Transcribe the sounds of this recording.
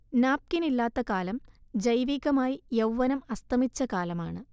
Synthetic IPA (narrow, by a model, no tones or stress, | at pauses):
naːp̚kinilːaːt̪ːɐkaːlɐmd͡ʑɐjʋiːɣɐmaːjijɐwʋɐnɐmɐst̪ʰɐmit͡ɕːɐkaːlɐmaːɳɨ